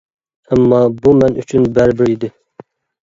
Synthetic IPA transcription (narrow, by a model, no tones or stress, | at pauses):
ɛmːɑbumɛny̰t͡ʃʰynbæɾbɪɾid̪ɪ